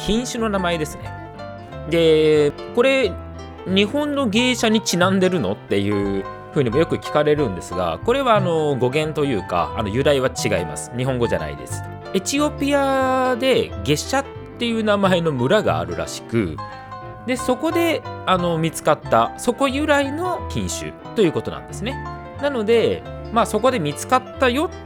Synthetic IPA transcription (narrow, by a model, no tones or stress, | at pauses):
çʲĩɰ̃ɕɨno̞namaed̪e̞sɨne̞̰ | d̪e̞ | ko̞ɾe̞ | ɲ̟ihõ̞nːo̞ɡe̞ːɕaɲ̟it͡ɕinãnd̪e̞ɾɯ̟no̞t̪ːe̞jɯ̟ː | ɸɯ̟ːɲ̟imojo̞kɯ̟kʲi̥kaɾe̞ɾɯ̟̃nd̪e̞sɨɡa̰ko̞ɾe̞βaːno̞ɡo̞ɡẽ̞nt̪o̞jɯ̟ːka̰ːno̞jɯ̟ɾaiβat͡ɕiɡaima̰sɨ̥ɲ̟iɦõ̞ŋɡo̞ʑa̰na̰ḭd̪e̞sɨ̥ | et͡ɕio̞pʲijad̪e̞ɡe̞ɕːat̪ːe̞jɯ̟ːnamae̞no̞mɯ̟ɾaɡa̰ːɾɯ̟ɾa̰ɕi̥kɯ̟̰ | d̪e̞so̞ko̞d̪e̞ano̞mʲit͡sɨ̥kat̪ːaso̞ko̞jɯ̟ɾaino̞kʲĩɰ̃ɕɨ̰ | t̪ːo̞jɯ̟ːko̞t̪onã̰nd̪e̞sɨne̞ | nano̞d̪e̞ | maːso̞ko̞d̪e̞mʲit͡sɨ̥kat̪ːajo̞